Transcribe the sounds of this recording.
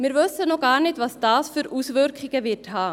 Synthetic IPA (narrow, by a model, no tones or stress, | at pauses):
mɪːɾvøsənɔɡɑːɾnɪtvɑsd̥ɑːsfyːɾʔuːsvʏɾkχɪɡ̥əvɪthɑː